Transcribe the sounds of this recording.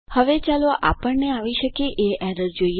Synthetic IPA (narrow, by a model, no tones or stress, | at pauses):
həʋet͡ʃaloʔa̰pəɳneaʋiʃəkeʔeɛɾəɾd͡ʒoi